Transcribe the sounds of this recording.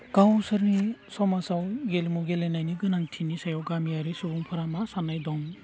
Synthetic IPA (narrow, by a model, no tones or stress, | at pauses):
ɡ̥awsɯɾnisɔmasawɡelmuɡelenajniɡɯnaŋtʰinisajɔwɡamijaɾisubuŋpʰaɾamasanajdɔŋ